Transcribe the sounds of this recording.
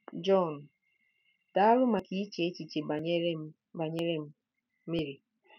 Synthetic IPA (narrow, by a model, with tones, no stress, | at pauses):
d͡ʒɔ˦˨n˨ | ta˦a˦lʊ˦ma˨ki˦t͡ʃe˦t͡ʃi˨t͡ʃe˨b | ba˨ɲe˦ɾe˦m̩˦ | me˦ɾi˨